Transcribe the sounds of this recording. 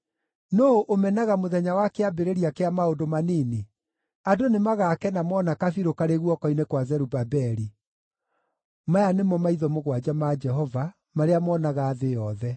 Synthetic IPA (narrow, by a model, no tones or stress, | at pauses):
noʔomɛnaɣamoðɛɲawakeabeɾeɾiakeamaodomanine | adonemaɣakɛnamɔnakafiɾokaɾeɣwɔkɔinekwazɛɾubabɛɾi | majanemɔmaiðɔmoɣwad͡ʑamad͡ʒɛɦɔva | maɾeamɔːnaɣaːðejɔðɛ